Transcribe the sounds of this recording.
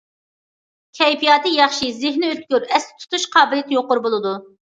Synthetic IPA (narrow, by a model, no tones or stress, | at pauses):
kʲʰɛjpʰijɑːt̪ʰɨjɑχʃizɪɦnɪøt̪̚kʲyɾɛst̪ɪ̥t̪ʰu̥t̪ʰuʃqʰɑːbɪlɪt̪ʰjoqːʊɾbolˠɨd̪u